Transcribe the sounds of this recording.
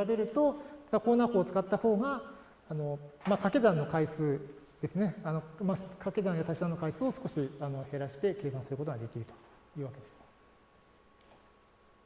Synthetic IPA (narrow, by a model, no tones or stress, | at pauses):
abe̞ɾɯ̟t̪o̞ako̞ːnaːhoːt͡sɨ̥kat̪ːaho̞ːɡa | ano̞makake̞zãnːo̞kaisɨː | d̪̥e̞sɨne̞ano̞makʰake̞zãɰ̃jat̪aɕi̥sãnːo̞kaisɨːosɨ̥ko̞ɕiano̞he̞ɾaɕi̥t̪e̞ke̞ːsãɰ̃sɨɾɯko̞t̪oɡad̪e̞kʲiɾɯ̟t̪o̥ | jɯ̟ːβake̞d̪e̞sɨ̥